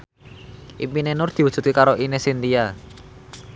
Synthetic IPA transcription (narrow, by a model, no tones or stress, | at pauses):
ʔimpinenʊrd̪̥i̤wud̥ʒ̥ṳt̪̚kekaɾoʔinesint̪ia